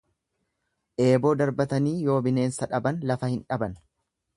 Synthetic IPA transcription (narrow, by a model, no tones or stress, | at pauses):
ʔe̞ːbo̞ːd̪ɐɾbɐt̪ɐniːjo̞ːbɪne̞ːnsɐᶑɐbɐnlɐfɐhɪnᶑɐbɐn